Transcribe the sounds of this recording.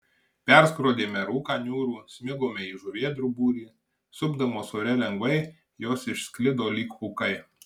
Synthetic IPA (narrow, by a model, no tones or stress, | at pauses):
pʲɛɾskɾoːd̪ʲeːmʲɛɾuːkɑːnʲuːɾuːsʲmʲɪɡoːmʲɛiʒuʋʲiɛd̪ɾʊbuːɾʲiː | sʊbd̪ɐmoːsoːɾʲɛlʲɛŋɡʋɐɪ | joːsɪʃsʲkʲlʲɪd̪oːlʲiːkukɐɪ